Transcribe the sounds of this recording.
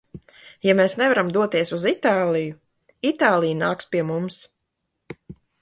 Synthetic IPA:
jameːsnɛvaɾamd̪uɔt̪iɛsuzit̪aːlˠiju | it̪aːlˠijnaːkspʲiɛmums

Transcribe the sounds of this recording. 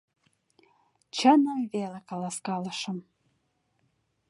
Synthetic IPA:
t͡ɕənəmvelekɑlɑskɑlə̆ʃə̆m

